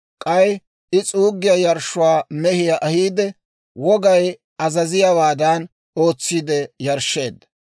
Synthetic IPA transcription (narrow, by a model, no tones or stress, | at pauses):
kʼɐj | ɪt͡sʼuːɡːɪjɐjɐɾʃʊwaːmɛhɪjaʔɐhiːd̪ɛ | wɔɡɐj | ɐzɐzɪjɐwaːd̪ɐn | o̞ːt͡sːiːd̪ɛjɐɾʃːe̞ːd̪ːɐ̥